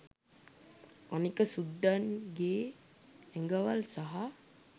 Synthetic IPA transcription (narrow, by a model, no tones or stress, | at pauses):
anikəsud̪ːanɡeː | ɛŋɡəʋalsaɦa